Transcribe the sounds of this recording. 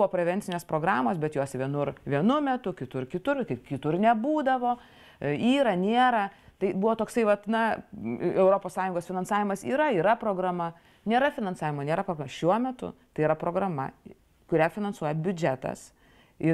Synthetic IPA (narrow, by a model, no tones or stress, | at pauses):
bʊʋoːpʲɾʲɛʋʲɛnʲtsʲɪnʲeːspɾoːɡɾɑːmoːsbʲɛt̪joːsʋʲiɛnʊɾʋʲiɛnʊmʲɛt̪ʊkʲɪt̪ʊrkʲɪt̪ʊrkɐkʲɪt̪ʊrnʲɛbuːd̪ɐʋoː | iːɾɐnʲeːɾɐt̪ɐɪbʊʋoːt̪oːksɐɪʋɐt̪nɐ | ɛʊɾoːpoːssɑːjʊ̃ŋɡoːsfʲɪnɐnsɑːʋʲɪmɐsiːɾɐiːɾɐpɾoːɡɾɐmɐ | nʲeːɾɐfʲɪnɐnsɑːʋʲɪmoːnʲeːɾɐpɾoːɡɾmɐʃʲuɔmʲɛt̪ʊ̰t̪ɐɪiɾɐpɾoːɡɾɐmɐ̰ | kʊɾʲæfʲɪnɐnsuɔjɛbʲʊd͡ʒʲɛæt̪ɐ̰s | ɪ